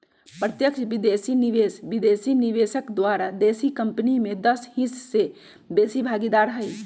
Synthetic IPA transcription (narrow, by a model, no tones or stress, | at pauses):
pɾət̪jəkʃʋɪd̪eːsiniʋeːsʋɪd̪eːsinɪʋeːʃəkd̪waːɾad̪eːsikəmpnimẽd̪əshisse | beːsibʱaːɡid̪aːɾɦɛi